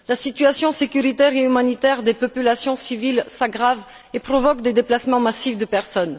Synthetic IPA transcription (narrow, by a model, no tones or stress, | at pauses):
lasit̪yasjɔ̃sekʲyʁit̪ɛʁeymanit̪ɛʁd̪epɔpylasjɔ̃sivilsaɡʁav | epχɔvɔkd̪ed̪eplasmɑ̃masifd̪əpɛʁsɔn